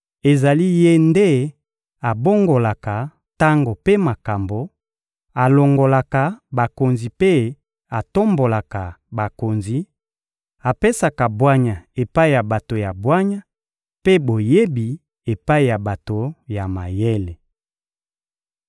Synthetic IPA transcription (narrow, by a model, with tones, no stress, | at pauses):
e˨za˨li˦je˦nde˦ | a˨bo˦ŋɡo˨la˨ka˨ | ta˦ŋɡo˨pe˦ma˨ka˨mbo˨ | a˨lo˨ŋɡo˨la˨ka˨ba˨ko˨nzi˨pe˦ | a˨to˦mbo˨la˨ka˨ba˨ko˨nzi˨ | a˨pe˦sa˨ka˨bwa˦ɲa˨e˨pa˦i˨ja˨ba˨to˨ja˨bwa˦ɲa˦ | pe˦bo˨je˦bi˨ | e˨pa˦i˨ja˨ba˨to˨ja˨ma˨je˦le˨